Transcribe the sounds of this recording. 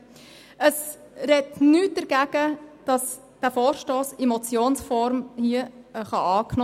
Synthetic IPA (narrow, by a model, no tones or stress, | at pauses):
əs | ɾɛtnyːt̚d̥əɾɡ̥æːɡ̥əd̥ɑs | d̥æːfoːɾʃtoːsemot͡sjoːnsfɔɾmhiəχɑʔɑːkno